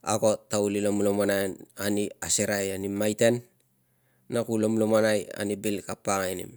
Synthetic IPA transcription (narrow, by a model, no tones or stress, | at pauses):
a̰ɡo̞tːaulilomlomanananiaseɾajanimajte̞nː | akulomlomanaja̰nibilkapːaŋainḭm